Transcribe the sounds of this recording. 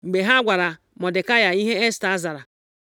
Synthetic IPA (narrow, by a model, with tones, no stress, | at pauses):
ŋ͡m̩˨ɡ͡be˨ɦa˦ɡʷa˨ɾa˨ | mɔ˨dɪ˨ka˦ja˨i˦ɦe˦e˦sta˨˦za˨ɾa˨